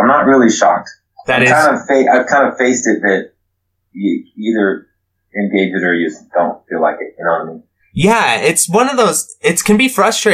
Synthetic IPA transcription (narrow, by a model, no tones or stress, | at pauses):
ɪ̃mnəʔ̚ɹɪlˠiʃɑ̰k̚t | ðɨɾɨkzãɪ̃ndəfeɪʔaɪv̥kʰãɪ̃ndəfeɪstɨt̪̚ðɨt͡ʃ̚ | ɨiðə˞ | ɨ̃nɡeɪd͡ʒɨɾə˞jɨsd̥õʊ̃ntfilaɪkɨt̚jɨnoʊmi | jæɪtswʌ̃nʌvðoʊzɪtskɨ̃nbifɹʌstɹ̥eɪ